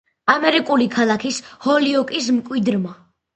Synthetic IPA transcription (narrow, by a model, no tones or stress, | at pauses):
amɛɾikʼulikʰalˠakʰishɔliɔkʼis̬mkʼwid̪ɾma